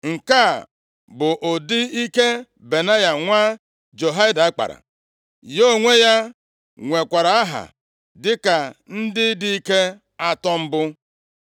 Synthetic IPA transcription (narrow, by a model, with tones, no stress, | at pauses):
ŋ̩˨ka˦˨ | bʊ˨ʔo˨dɪ˦i˦ke˦ | be˨na˦ja˨ŋʷaː˦ | d͡ʒo˨ɦa˦da˨a˦k͡pa̰˨ɾa̰˨ | jo˦˨ŋʷe˦ja˦ | ŋʷe˨kʷa˨ɾa˨a˦ɦa̰˨ | dɪ˦ka˨n̩˦dɪ˦di˦i˦ke˦ | a˦tɔ˦m̩˦bʊ˦